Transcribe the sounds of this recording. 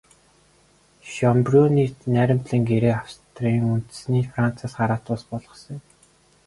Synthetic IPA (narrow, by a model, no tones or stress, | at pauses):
ʃɔmprʲuniːnæɾʲɪ̆mt̪ɮə̆ŋɡeɾeːawst̪riŋunt̪sniːfran̥t͡sʰaːsɢaɾaːt̪ʊːspɔɮʁɞ̆sə̆ŋ